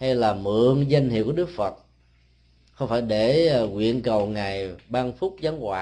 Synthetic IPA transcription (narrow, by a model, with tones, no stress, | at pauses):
ha˧jlaː˨˩mɨ̰˧˨əŋza˧jŋ̟hḭ˨˧˨əwku˧˩ɗɨ˦˥ək̚fə˨˩t̚ | xə˧wŋ͡mfaː˧˩jɗe˧˩ŋwḭ˧˨ənkə˨˩wŋa˨˩jɓaː˧nfʊ˦˥k͡p̚zaː˨˦ŋhwa̰ː˧